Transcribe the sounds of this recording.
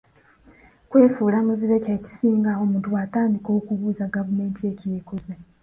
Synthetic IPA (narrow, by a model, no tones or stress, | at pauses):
kwe̞ːfuːlamuziβececi̥siːŋɡao̞muːntuwataːndiko̞ːkuβuːzaɡavume̞ːntie̞cijeːkoze